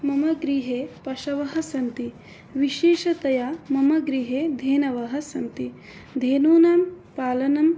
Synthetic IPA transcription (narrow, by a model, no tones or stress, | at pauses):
mɐmɐɡɾiːɦeːpɐʃɐʋɐɦɐ̆sɐnt̪i | ʋiʃeːʃɐt̪ɐjaːmɐmɐɡɾiːɦeːd̪ʱeːnɐʋɐɦɐ̆sɐnt̪i | d̪ʱeːnoːnaːm | paːlɐnɐm